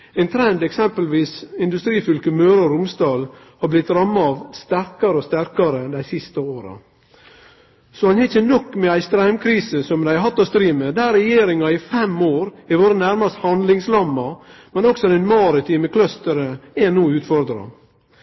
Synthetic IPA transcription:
ɛɪnt̪ʰɾɛnd̪ɛksɛmpəlʋiːsɪnd̪ʉst̪ɾiːfʏlkəmøːɾɑɾʊmsd̪ɑːl | hɑɾblɪt̪ɾɑmːɑɑʋst̪æɾkɑɾəɔst̪æɾkɑɾəd̪æɪsɪst̪əoːɾɑ̰ | sɔhɑnhɛɪçənɔkːmɛæɪst̪ɾæɪmkʰɾiːsəsɔmd̪æɪɑɦɑt̪ːɑst̪ɾiːməd̪æɾɾɛjeːɾɪŋɑɪfɛmoːɾɛʋoːɾənæɾmɑst̪hɑnd̪lɪŋslɑmːɑ | mɛnɔksɔɛɪnmɑɾət̪ʰiːməkʰlœst̪əɾəɛnuːʉːt̪fɔɾd̪ɾɑ̰

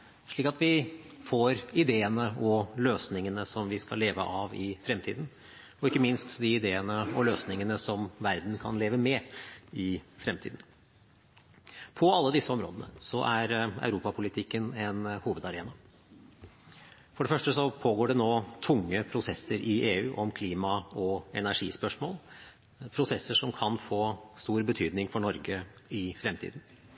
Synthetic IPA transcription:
ʂɭiːkɑt̪ʋɪ | foːɾɪd̪eːənəɔløːsnɪŋənəsɔmʋɪskɑ̰lːeːʋə̰ʔɑʋɪfɾɛmt̪ʰḭːd̪n̩ | ɔɪkːəmɪnst̪d̪ɪɪd̪eːənəɔløːsnɪŋənəsɔmʋæɾd̪n̩kʰɑ̰nleːʋəmɛɪfɾɛmt̪ʰiːd̪n̩ | pʰɔɑlːəd̪ɪsːəɔmɾo̰ːd̪ənə̰sɔʔæɾæ̰ʉɾuːpɑpʰʊlɪt̪ʰɪkːənɛnhuːʋəd̪ɑɾeːnɑ | fɔɖɛfœʂʈəsɔpʰoːɡoːɖɛnoːt̪ʰʊŋːəpʰɾʊsɛsːəɾʔɪʔeːʉːʔɔmkʰliːmɑɔɛnæʂiːspœʂmoːl | pʰɾʊsɛsːəʂɔmkʰɑnfoːst̪uːɾbət̪ʰyːd̪nɪŋfɔɳɔɾɡəɪfɾɛmt̪ʰḭːd̪n̩

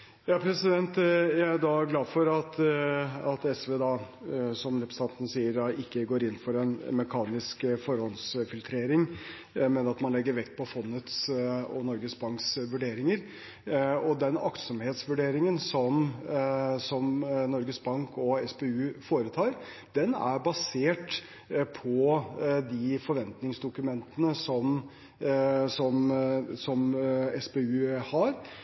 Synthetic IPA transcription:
jɑːpʰɾɛsɪd̪ɛnt̪jæɪd̪ɑɡlɑːd̪fɔɾɑt̪ | ɑt̪ɛsʋeːd̪ɑːsɔmɾɛpɾst̪ɑnt̪ənəsiːəɾd̪ɑʔɪkːəɡoːɾɪnːfɔɾɛnmɛkʰɑːnɪskfɔɾhɔlsfɪlt̪ʰɾeːɾɪŋ | mɛnɑt̪mɑnlɛɡːəɾʋɛkt̪̚pʰɔfɔnːət̪sɔ̰nɔɾɡəsbɑŋksʋʉɖeːɾɪŋəɾ | ɔd̪ɛnɑ̰kt̪sɔmheːt̪sʋʉɖeːɾɪŋənsɔm | sɔmnɔɾɡəsbɑŋkɔɛspeʉːfoːɾət̪ʰɑːɾ | d̪̥ɛnæ̰ɾbɑseːʈ | pʰɔd̪ɪfɔɾʋɛnt̪nɪŋsd̪ʊkʉmɛnt̪ənəsɔm | sɔmsɔmɛsbeʉːhɑɾ

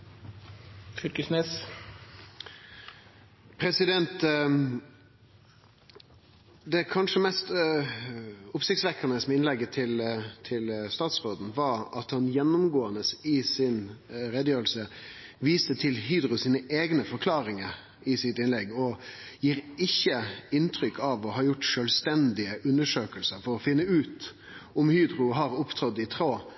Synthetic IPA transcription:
fʏɾkəsnɛs | pʰɾɛsɪd̪ɛnt̪ | d̪ɛkʰɑnʂəmɛst̪ | ʊpsɪkt̪sʋɛkːənəsmɛɪnlɛɡːət̪ʰɪlt̪ʰɪlst̪ɑːt̪sʁoːd̪n̩ʋɑɾɑt̪hɑnjɛnːʊmɡoːənəsɪsɪnɾɛd̪əjøːɾəlsəʋiːst̪ət̪ʰɪlɦiːd̪ɾʊsiːnəʔeːɡnəfɔɾkʰlɑːɾɪŋəɾ | ɪsɪt̪ɪnlɛɡːɔjiːɾɪçːəɪnt̪ʰɾʏkʰːɑʋɔɦɑːjʊʈːʂøːlst̪ɛnd̪ɪəʔʉnːəʂøːkəlsəɾfɔɾɔfɪnːəʉːt̪ | ʊmhyːd̪ɾʊɦɑɾʊpt̪ʰɾɔd̪ːɪt̪ʰɾoː

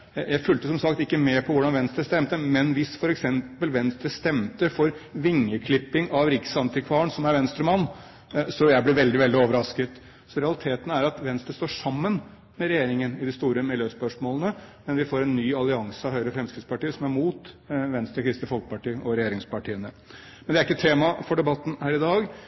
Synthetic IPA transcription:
jæɪfʉlt̪əsɔmsɑkt̪ɪkːəmɛpʰɔʋʊɖɑnʋɛnst̪ɾəst̪ɛmt̪əmɛnʋɪsfɔɾɛksɛmpəlʋɛnst̪əst̪ɛmt̪əfɔɾʋɪŋːəkʰlɪpːɪŋɑʋɾɪksɑnt̪ɪkʰʋɑːəɳsɔmæɾʋɛnst̪ɾəmɑnː | sɔjæɪblɛʋɛld̪ɪʋɛld̪ɪoːʋəɾɑskət̪ | sɔɾɛɑlɪt̪ʰeːt̪ənəæɾɑt̪ʋɛnst̪əst̪oːʂɑmːən | mɛɾɛjeːɾɪŋənɪd̪ɪst̪uːɾəmɪljøːspœʂmoːlənəmɛnʋɪfoːɾɛnːyːɑlɪɑŋsəɑʋhœʏɾəfɾɛmskɾɪd̪spɑʈiːəsɔmæɾmuːt̪ʋɛnst̪ɾəkʰɾɪst̪əfɔlkəpɑʈiːəʔɔɾɛjeːɾɪŋspɑʈʰiːənə | mɛnd̪ɛæɾɪkːət̪ʰeːmɑfɔɖɛbɑt̪ːn̩hæːɾɪd̪ɑːɡ

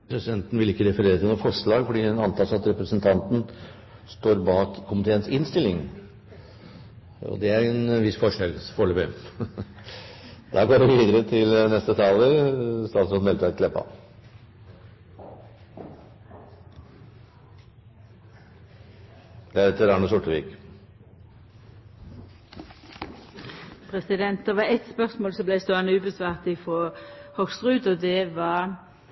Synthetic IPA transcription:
pʰɾɛsɪd̪ɛnt̪n̩ʋɪlɪkːəɾɛfəɾeːɾət̪ʰɪlnuːfɔʂɭɑːɡfɔɖiːɛnɑnt̪ʰɑːsɑt̪ɾɛpɾəsənt̪ʰɑnt̪n̩ | st̪oːɾbɑːkkʰːʊmɪt̪ʰeːənsɪnst̪ɪlɪŋ | ɔ̰d̪ɛæɾɛnʋɪsfɔʂɛlfɔɭəbʏ | d̪̥ɑːɡoːʋɪʋiːd̪əɾət̪ʰɪlnɛst̪ət̪ʰɑːləst̪ɑːt̪sɔnmɛlt̪əʋæɾk̪lɛpːɑ̰ | d̪ɛæɾɛt̪ʰːəɾɑɳuːsʊʈːəʋḭːk | pʰʁɛsɪd̪ɛnt̪̚d̪ɛʋɑɛt̪spœʁsmoːlsɔblæɪst̪oːɑnəʉːbəsʋɑːʁt̪ɪfɔhɔksʁʉːd̪ɔd̪ɛʋɑ

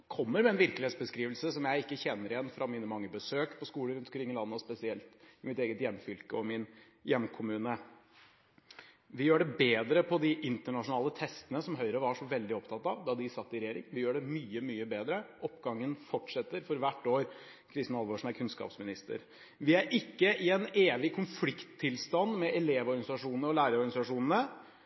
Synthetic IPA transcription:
kʰɔmːəɾmɛɛnʋɪɾkəlɪeːt̪sbəskɾiːʋlsəsɔmjæɪɪkːəçɛnːəɾɪjɛnːfɾɑmiːnəmɑŋːəbəsøːkpʰɔskuːləɾʉnɔkʰɾɪŋːɪlɑnːəɔspɛsɪɛlt̪ɪmɪt̪eːɡət̪jɛmːfʏlkəɔmɪn | jɛmːkʰʊmʉːnə | ʋɪjøːɖɛbeːd̪ɾəpʰɔd̪ɪʔɪnt̪əɳɑʂʊnɑːlət̪ʰɛst̪ənəsɔmɦœʏɾəʋɑʂɔʋɛld̪ɪɔpt̪ʰɑt̪ːɑʋd̪ɑd̪ɪsɑt̪ːɪɾɛjeːɾɪ̰ŋʋɪjøːɖɛmyːəmyːəbeːd̪ɾəʔɔpːɡɑŋːənfɔʈʂɛt̪ːəɾfɔɾʋæʈːoːɾ | kʰɾɪst̪ɪnɑlʋɔʂn̩æɾkʰʉnskɑ̰ːpsmɪnɪst̪ə̰ɾ | ʋɪæɾʔɪkːəʔɪɛneːʋɪkʰʊnflɪkt̪ʰːɪlst̪ɑnːmɛʔɛleːʋɔɾɡɑnɪsɑʂuːnənəɔlæːɾəɾɔɾɡɑnɪsɑʂuːnən̩ə

